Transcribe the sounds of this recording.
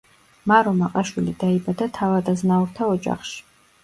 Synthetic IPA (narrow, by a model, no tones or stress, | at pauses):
maɾomaqʼɐʃilidajbadatʰawadaznawrtʰaɔt͡ʃʼa̰χʃ